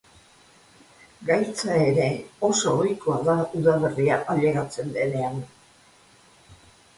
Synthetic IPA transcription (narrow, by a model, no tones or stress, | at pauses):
ɡajt͡sae̞ɾe̞o̞so̞ːjko̞aðauðaβe̞riaʔaʎe̞ɣat͡se̞nd̪e̞ne̞an